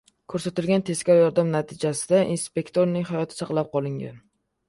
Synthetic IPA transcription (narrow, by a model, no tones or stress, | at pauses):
kʰɵɾsat̪ɪlɡʲant̪ʰe̞skʲawjɒɾd̪amnat̪ʰɪd͡ʒasɪd̪aʔinspe̞kt̪ʰoɾnɪŋɦajɒt̪ʰɪ̥sɑqlˠap̚qʰɒlˠɪŋɡʲa̰n